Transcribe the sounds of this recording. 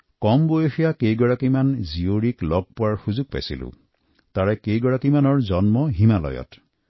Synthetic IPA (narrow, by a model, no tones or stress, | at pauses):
kɔmbojexijakejɡɔɹakimanzioɹiklɔɡ̚pɔwaɹxuzuɡ̚pa̰jsḭlṵ | t̪aɹɛkejɡɔɹakimanɔɹzɔnmɔɦimalɔ̰jɔ̰t